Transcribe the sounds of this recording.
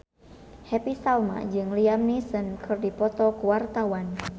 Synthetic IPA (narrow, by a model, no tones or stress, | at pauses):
hɛpisalma̰d͡ʒɨŋliamnisənkʰɨrdipɔt̪ɔkuwart̪awan